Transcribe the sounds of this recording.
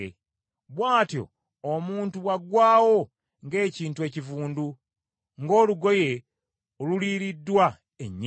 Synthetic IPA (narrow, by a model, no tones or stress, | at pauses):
βwaːtjo̰ː | muːntuwaɡwaːwo̞ | ŋɡe̞ːciːntue̞ːcivuːndu | ŋɡo̞ːluɡo̞je̞ | oluliːɾidːwa | ḛɲː